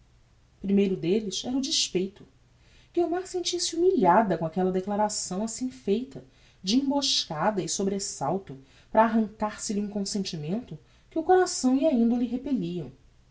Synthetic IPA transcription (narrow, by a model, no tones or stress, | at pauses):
pɾimejɾʊd̪elɪsɛɾɐʊd͡ʒiʃpejt̪ʊ | ɡ̥ewmaɾsẽnt͡ʃisiumiʎad̪ɐkõakɛlɐd̪eklaɾasɐ̃w̃asĩfejt̪ɐ | d͡ʒiĩmboʃkad̪ɐɪsobɾesawt̪ʊ | pɾaːɦɐ̃ŋkaɾsɪliũkõsẽnt͡ʃimẽnt̪ʊ | kɪʊkoɾasɐ̃w̃iaĩnd̪ɐlɪɦepeliɐ̃w̃